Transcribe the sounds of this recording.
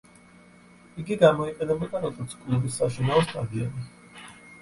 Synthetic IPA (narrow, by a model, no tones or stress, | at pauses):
iɡiɡamɔiqʼɛnɛbɔd̪ʼaɾɔt̪ʰt̪skʼulˠbisːaʃinaɔst̪ʼad̪iɔ̰ni